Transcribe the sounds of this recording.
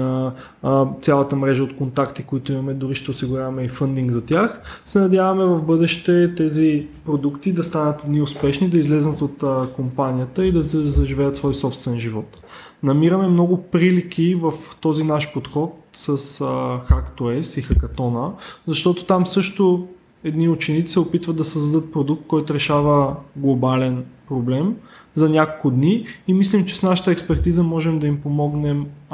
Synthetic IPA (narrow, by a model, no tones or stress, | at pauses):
t̪sʲjalˠət̪əmɾɛʒəot̪kont̪akt̪ikoit̪ʊimɐmɛd̪ʊɾiʃt̪ɛosiɡʊɾʲavɐmɛifənd̪iŋɡzɐt̪ʲjaxsɛnɐd̪ʲjavɐmɛvɐvbɤd̪ɛʃt̪ɛt̪ɛzipɾod̪ukt̪id̪ɐst̪anət̪niʊspɛʃnid̪ɐizlɛznət̪ot̪əkompanijət̪əid̪ɐɛzɐʒivɛjət̪svɔjsɔpst̪vɛnʒivɔt̪ | nɐmiɾəmɛmnɔɡʊpɾilik̟ʰivəft̪ɔzinaʃpot̪xɔt̪̚səsxakt̪oɛsixɐkɐt̪ɔnəzɐʃt̪ɔt̪o̥t̪amsɤʃt̪o | ɛd̪niʊt͡ʃɛnit̪i̥sɛopit̪vət̪ːɐsəzd̪ɐd̪ɤt̪̚pɾod̪uk̚t̪̚kɔjt̪ʊɾɛʃavəɡlˠobalɛnpɾoblɛmzɐnʲakolˠkʊd̪niːmislɛmt͡ʃɛ̥snaʃə̥t̪əɛkspɛɾt̪izəmɔʒɛmd̪ɐimpomɔɡnɛm